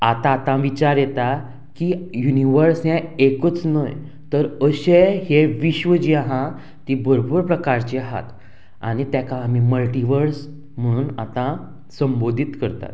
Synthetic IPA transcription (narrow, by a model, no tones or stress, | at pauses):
at̪ãːt̪ãʋit͡ɕaɾjet̪a | kijuniʋəɾsjãekət͡snəj | t̪əɾəɕeheʋiɕʋəd͡ʑiaɦã | t̪ibʱəɾobuɾpɾəkaɾt͡ɕeɦa̰t̪ | a̰ɽ̃it̪jakãːm̤iməlʈiʋəɾs | m̤əɽ̃uːnat̪ã | sə̃mbod̪ʱit̪kəɾt̪a̰t̪